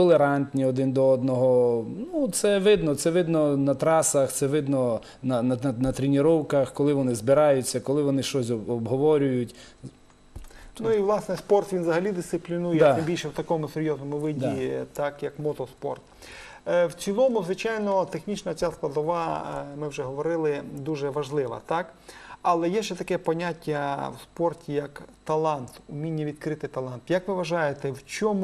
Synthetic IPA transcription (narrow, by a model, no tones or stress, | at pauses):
tɔlˠeɾɑnʲt̪ʲnʲiɔd̪ɪnd̪ɔɔd̪nɔɦɔnut̪sɛʋɪd̪nɔt̪sɛʋɪd̪nɔnɐt̪ɾɑsɐxt̪sɛʋɪd̪nɔ | nɐnɐɐnɐt̪ɾʲɪnʲɪɾɔwkɐxkɔlˠɪʋɔnɪzbɪɾɑjʊt͡sʲːɐkɔlˠɪʋɔnɪʃt͡ʃɔsʲɔɔbɦɔʋɔɾʲʊjʊtʲ | nuiʋlˠɑsnɛspɔrt̪ʋʲinzɐɦɐlʲid̪ɪst̪ɪplʲinuj̪ɐbʲilʲʃɛwt̪ɐkɔmʊseɾʲjɔznɔmʊʋɪd̪ʲit̪ɑkjɐkmɔt̪ɔspɔ̰rt̪ | wt͡sʲilˠɔmʊzʋɪt͡ʃɑjnɔt̪exnʲit͡ʃnɐt͡sʲasplˠɐd̪ɔʋɑmɪwʒɛɦɔʋɔɾɪlˠɪd̪uʒɛʋɐʒlˠɪʋɐ̰t̪ɑkɐlˠɛjɛʃɛt̪ɐkɛpɔnʲatʲːɐwspɔrtʲijɐkt̪ɐlˠɑnt̪ʊmʲinʲːɐʋʲid̪kɾɪt̪ɪt̪ɐlˠɑnt̪jɐkʋɪʋɐʒɑjet̪ɛwt͡ʃɔmu